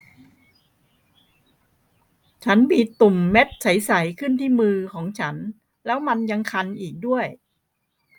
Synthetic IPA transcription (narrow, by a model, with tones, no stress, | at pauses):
t͡ɕʰa˦˥nmiː˧t̪u˨˩mːe˦˥t̪̚t͡ɕʰa˩˦jsa˩˦jkʰɯ˥˩nt̪ʰiː˥˩mɯː˧kʰɔː˩˦ŋt͡ɕʰa˦˥n | lɛː˦˥wma˧nja˧ŋkʰa˧nʔiː˨˩k̚du˥˩əj